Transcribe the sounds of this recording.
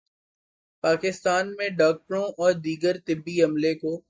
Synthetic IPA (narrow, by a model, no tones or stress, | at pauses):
paːkɪst̪aːnmẽɖaːk̚ʈɾõʔɔːɾd̪iːɡəɾt̪ɪbːiɐmlekoː